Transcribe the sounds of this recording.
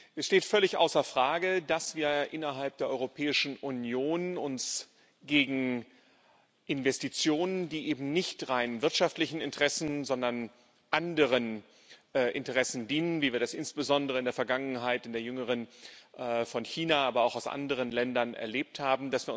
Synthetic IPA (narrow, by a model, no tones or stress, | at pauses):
ʔɛsʃteːtfœlɪçʔa̰ʊsɐfʁ̥aːɡədasv̥iːɐʔɪnɐɦalp̚d̥eːɐʔɔ̰ʁopʰɛːɪʃn̩ʔunjoːnʊns | ɡ̥eːɡŋ̩ | ʔɪnvɛstit͡sjoːnəndiːʔeːbm̩nɪçtʁaɪnvɪɐtʃaftlɪçn̩ɪntəʁɛsn̩zɔndɐn | ʔandəʁənː | ʔɪ̰ntəʁɛsn̩diːnənviːviːɐdasʔɪnsb̥əzɔndəʁəɪndeːɐfɛɐɡaŋənɦaɪtɪndeːɐjʏŋəʁ̞ənː | fɔnçiːnaaːbɐaʊxaʊsʔa̰ndəʁ̞ənlɛndɐnɛ̰ɐleːp̚thaːbm̩dasv̥iːɐʊ